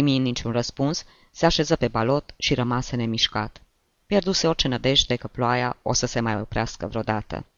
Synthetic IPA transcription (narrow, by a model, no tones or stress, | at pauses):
iminnit͡ʃunrəspuns | seaʃe̞zəpe̞balo̞t̪ʃiɾəmasene̞miʃka̰t̪ | pjerd̪use̞o̞rt͡ʃe̞nəd̪e̞ʃt̪e̞kəploajaosəse̞majopɾeaskəvɾeod̪at̪ə̰